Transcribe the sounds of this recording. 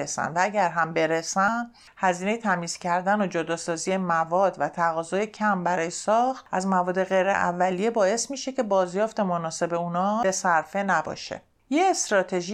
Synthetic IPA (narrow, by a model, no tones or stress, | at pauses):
esæ̰nd̪vææɟæɾɦæmbe̞ɾesæn | hæziːne̞jet̪ʰæmiːz̥cʰæɾd̪ænod͡ʒod̪ɒːsɒːziːje̞mævɒːd̪væt̪ʰæɣɒːzɒːje̞cʰæmbæɾɒːjesɒːxt̪ʔæzmævɒːd̪e̞ɣe̞jɾḛʔæ̰vːælijebɒːe̞smiːʃe̞cʰe̞bɒːzjɒːft̪e̞monɒːse̞be̞uːnɒːbe̞sæɾfe̞næbɒ̰ːʃḛ | jeːst̪ɾɒːt̪ʰe̞ʒi